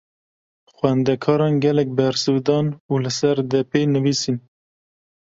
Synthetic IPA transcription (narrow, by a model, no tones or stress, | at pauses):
xwɛnd̪ɛkʰɑːɾɑːnɡɛlɛk̚bɛɾsɨd̪ɑːnulɨsɛɾd̪ɛpʰeːjnɨviːsin